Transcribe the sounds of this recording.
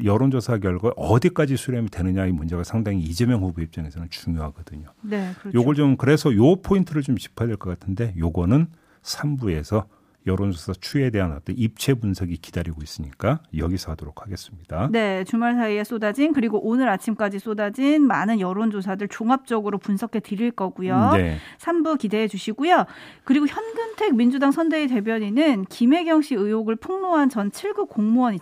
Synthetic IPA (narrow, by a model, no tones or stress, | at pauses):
jʌɾond͡ʑosʰaɡ̬jʌɭɡaʔʌdik͈ad͡ʑisʰuɾjemitwe̞nɯɲaimund͡ʑe̞ɡasʰaŋdaŋiːd͡ʑe̞mjʌŋhuɡuip̚t͡ɕ͈aŋe̞sʰʌnɯnt͡ɕuŋjoɦaɡʌdɯɲonekɯjoɡʌɭt͡ɕomkɯɾe̞sʰʌjopʰointʰɯɾɯɭt͡ɕomt͡ɕi̥pʰadweɭk͈ʌk͈atʰɯnde̞joɡʌnɯn | sʰambue̞sʰʌ | jʌɾond͡ʑosʰat͡ɕʰue̞de̞ɦanʌt͈ʌnip̚t͡ɕʰe̞bunsʰeɡikid̥aɾiɡois͈ɯɲik͈ajʌɡisʰadoɾokʰhaɡe̞s͈ɯmɲid̥ane̞t͡ɕumaɭsʰaie̞s͈odad͡ʑinkɯɾiɡoʔonɯɾat͡ɕʰimk͈ad͡ʑis͈odad͡ʑinmanɯnjʌɾond͡ʑos̬ʰadɯɭt͡ɕoŋap̚t͡ɕ͈ʌɡɯɾopunsʰʌkʰe̞tɯɾiɭk͈ʌɡujonesʰambukide̞ɦed͡ʑuɕʰiɡujokɯɾiɡoçjʌndɯntʰe̞k̚mind͡ʑudaŋsʰʌndeite̞bjʌɲinɯnkime̞ɡjʌŋɕ͈iɯjoɡɯɭpʰuŋmoɦant͡ɕʌnt͡ɕʰiɭɡuk͈oŋmuʌɲi